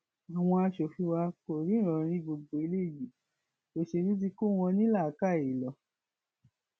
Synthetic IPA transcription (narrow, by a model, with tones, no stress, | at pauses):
a˨w̃ɔ̃˧a˧ʃo˨fi˨˦wa˧ko˨ɾi˨˦ɾ̃ɔ̃˨˧ɾ̃ĩ˧˦bo˧ɡ͡bo˨i˧le˦˨ji˨˦ | o˨ʃe˧ɾi˦t̬i˧ko˦˨w̃ɔ̃˧nĩ˦la˦˨˦ka˦˨e˨lɔ˨˦